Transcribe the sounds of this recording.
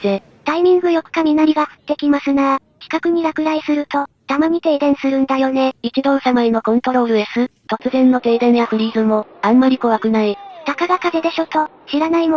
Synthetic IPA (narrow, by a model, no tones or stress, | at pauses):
d̪e | t̪aimʲĩŋɡɯ̟jo̞kɯ̟̥kamʲinaɾʲiɡahɯ̟̥t̪ːe̞kʲimasɨna | kʲi̥kakɯ̟ɲ̟iɾakɯ̟ɾaisɨɾɯ̟t̪o̞ | t̪amaɲ̟it̪e̞ːd̪ẽ̞ɰ̃sɨɾɯ̟̃nd̪ajo̞ne̞ikid̪õ̞ːsamaino̞kõ̞nt̪o̞ɾo̞ːɾɯ̟esɨt̪o̞t͡sɨzẽ̞nːo̞t̪e̞ːd̪ẽnakɯ̟ɾʲiːzɨmo̞ãmːaɾʲiko̞βakɯ̟nait̪akaɡakad̪e̞d̪e̞ɕo̞t̪o̞ | ɕiɾanaimo